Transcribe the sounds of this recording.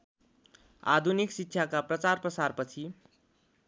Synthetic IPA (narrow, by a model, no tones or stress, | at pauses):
a̰d̪ʱuniksitːɕʰjakaprʌt͡sarprʌsarpʌt͡sʰi